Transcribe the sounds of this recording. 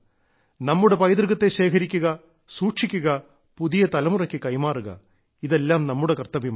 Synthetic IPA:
nɐmːuɽe̞pɐjd̪rɨɣɐt̪ːe̞ɕe̞ːkʰɐɾikʲːuɣɐ | suːʈʂikʲːuɣɐ | puðijɐt̪ɐlɐmurɐkʲːɨkɐjmaːruɣɐ̰ | iðe̞lːaːmnɐmːuɽe̞kɐrt̪ːɐʋim

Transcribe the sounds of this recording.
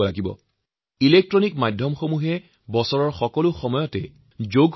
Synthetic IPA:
ɔlaɡibɔ̰ | ilek̚tɹɔnik̚majdʱjɔmxomuɦɛ | bɔsɔɹɔɹxɔkɔlʊxɔmɔjɔtɛ | zoɡ

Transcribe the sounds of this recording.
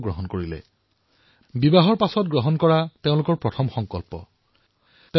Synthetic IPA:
ɡɹɔɦɔnkoɹilɛ̰ | bibaɦɔɹpasɔt̚ɡɹɔɦɔnkɔɹateʊ̃lʊkɔɹpɹɔtʰɔmxɔŋkɔlpɔ̰ | te

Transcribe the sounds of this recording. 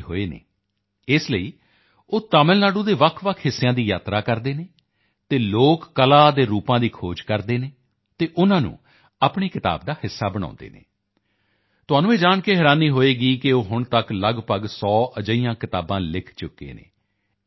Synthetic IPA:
ɦoːeːnḛː | ɪsləiː | oːt̪aːməlnaːɖũːd̪eːʋəkʰʋəkʰɦɪsːejãːd̪iːja̰ːt̪ɾaːkəɾd̪eːneː | t̪eːloːkːəlaːd̪eːɾuːpãːd̪iːkʰoːd͡ʒkəɾd̪eːneː | t̪eːʔʊnãːnṵ̃ː | aːpɳeːkɪt̪a̰ːb̚d̪aːhɪsːaːbəɽ̃ã̰ːnd̪ḛːnḛː | t̪ʊɦaːnũːeːd͡ʒaːɳkeːɦɛːɾaːniːɦoːeːɡiːkɪoːɦʊɳt̪əkləɡpəɡsɔːʔəd͡ʒəiːjãːkɪt̪aːbãːlɪkʰt͡ʃʊkːḛːnḛ̃ː

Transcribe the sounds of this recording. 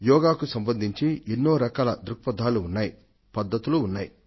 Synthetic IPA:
jɔːɡaːkusɐmbɐnd̪ʱiɲt͡ʃienːoːɾɐkaːlɐd̪ɾukpɐd̪ʱaːluːnːaːji | pɐd̪ːɐt̪uluːnːaːji

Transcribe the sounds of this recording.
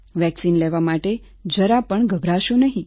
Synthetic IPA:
ʋɛksinleʋamaʈe | d͡ʒəɾapəɳɡʱəbʱɾaʃonəɦĩ

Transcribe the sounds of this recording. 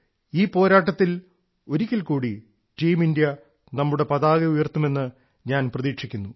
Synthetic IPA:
iːpo̞ːɾaːʈːɐt̪ːil | o̞ɾikʲːɐlkuːɽi | ʈiːmindjɐ | nɐmːuɽe̞pɐðaːɣɐujɐrt̪ːume̞nːɨ | ɲaːnprɐðiːkʂikʲːunːu

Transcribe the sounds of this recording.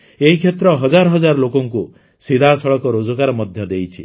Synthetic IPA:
eɦikʰjet̪ɾɔɦɔd͡ʒaɾɔɦɔd͡ʒaɾɔlokɔŋku | sid̪ʱasɔɭɔkɔɾod͡ʒɔkaɾɔmɔd̪ʱjɔd̪ejt͡ʃʰi

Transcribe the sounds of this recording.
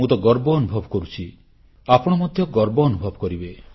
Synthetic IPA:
ut̪ɔɡɔɾbɔːnubʱɔbkɔɾut͡ʃʰi | apɔɽ̃ɔmɔd̪ʱjɔɡɔɾbɔːnubʱɔbkɔɾibe

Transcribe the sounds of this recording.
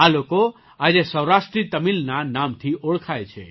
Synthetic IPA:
aloko | ad͡ʒesəwɾaʃʈɾit̪əmilnanamt̪ʰioɭkʰajt͡ʃʰḛ

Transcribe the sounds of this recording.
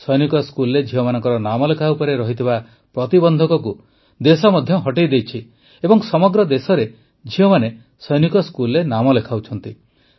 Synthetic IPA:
sɔjnikɔskulɾed͡ʒʱiɔmanɔŋkɔɾɔnamɔlekʰaupɔɾeɾɔɦit̪ʰiba | pɾɔt̪ibɔnd̪ʱɔkɔku | d̪esɔmɔd̪ʱjɔɦɔʈejd̪ejt͡ʃʰi | ebɔŋsɔmɔɡɾɔd̪esɔɾe | d͡ʒʱiɔmane | sɔjnikɔskulɔɾenamɔlekʰawt͡ʃʰɔnt̪i

